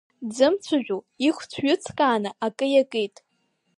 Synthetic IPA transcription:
d͡zɨmt͡sʷʰaʒᶣu | iχʷt͡sʷʰɥʊt͡sʰkʼaːnɨʔakʼɨjakʼijtʼ

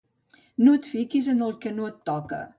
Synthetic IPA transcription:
nut̪fikizənəlˠkənuət̪ːɔkə̰

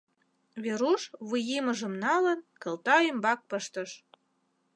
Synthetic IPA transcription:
βeɾuʃβɨjimə̆ʒə̆mnɑlə̆nkə̆lt̪ɑymbɑk̚pəʃt̪ə̆ʃ

